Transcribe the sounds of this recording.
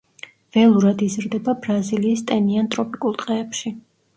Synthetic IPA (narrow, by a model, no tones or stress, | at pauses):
vɛlˠuɾad̪izɾd̪ɛbabɾaziliːst̪ʼɛniant̪ʼɾɔpʰʼikʼulˠt̪ʼqʼɛːpʃi